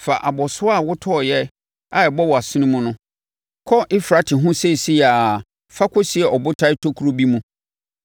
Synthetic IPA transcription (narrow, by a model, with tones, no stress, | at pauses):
fa˨ʔa˨bɔ˨sʊ˦a˦˨wʊ˦tʰɔ˦˨jɛ˦ | a˨ɛ˨bɔ˦wɔ˨a˨sɪ˦nɪ̃˦mũ˦nʊ̃˦ | kʰɔ˦ʔɪ˦fɾa˦tʰɪ˨ɦʊ̃˦se˦˨si˦ja˨ | fa˦kʰɔ˦sɪ˨˦ɛ˨ʔɔ˨bʊ˦tʰa˦tʰo˦kʰu˨ɾo˦bi˦mũ˦